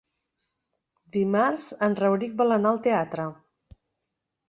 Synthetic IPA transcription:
d̪imaɾzənrəwɾik̚bələnalˠt̪eat̪ɾə

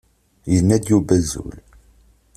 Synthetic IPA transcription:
jənːæd̪jubæzṵl

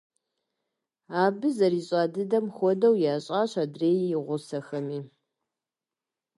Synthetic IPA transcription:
aːbɨzɐɾiːɕʼaːdɨdɐmxʷɔdɐwjaːɕʼaːɕaːdreːjjɪʁʷʊsɐxɐmiː

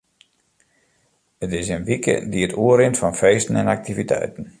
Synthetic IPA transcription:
ətɪs̬ənʋikʰə̰diətʰuəɾɪntfɔnfeːstən̩ɛnak̚tivitʰɛ̰jtən̩

